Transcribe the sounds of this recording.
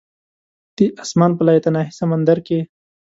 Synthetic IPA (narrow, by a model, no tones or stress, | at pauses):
d̪̥iʔasmɑnp̬əlɑjat̪anɑɦisamand̪aɾke